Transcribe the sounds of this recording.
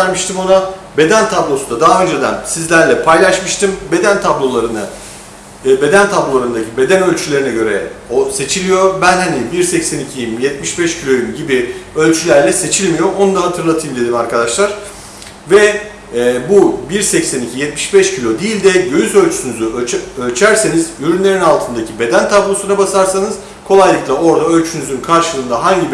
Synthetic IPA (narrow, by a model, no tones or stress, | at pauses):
ɾmɯʃt̪ʰimo̞nabe̞d̪ænt̪ʰablˠo̞sund̪ad̪aɦaø̞nd͡ʒɛd̪æ̰nsizlʲæɾlʲɛpʰajlˠaʃmɯʃt̪ʰɯmbe̞d̪ænt̪ʰablˠo̞lˠaɾɯnɯ | be̞d̪ænt̪ʰablˠo̞lˠaɾɯnd̪acʰibe̞d̪ænø̞lʲt͡ʃʰylʲe̞ɾinɛɟø̞ɾɛose̞t͡ʃʰilʲijo̞ɾbænɦanibiɾsɛcsænicʰijmjɛt̪̚miʃbɛʃcʰilʲo̞jymɟibiø̞lʲt͡ʃʰylʲæɾlʲɛse̞t͡ʃʰilʲmijo̞o̞nud̪aɦat̪ʰɯɾlˠat̪ʰɯjɯmd̪e̞d̪imaɾkʰad̪aʃlˠaɾ̥ | vɛː | bubiɾsɛcsænicʰijɛt̪miʃbɛʃcʰilʲo̞d̪iːlʲd̪ɛɟø̞jyzø̞lʲt͡ʃʰy̥ynyzyøølʲt͡ʃʰæɾse̞nizyɾynlʲe̞ɾinalˠt̪ʰɯnd̪acʰibe̞d̪ænt̪ʰablˠo̞sunabasaɾsanɯz̥ | kʰo̞lˠajlˠɯklˠao̞ɾd̪aø̞lʲt͡ʃʰynyzynkʰaɾʃɯlˠɯːnd̪aɦaɲɟi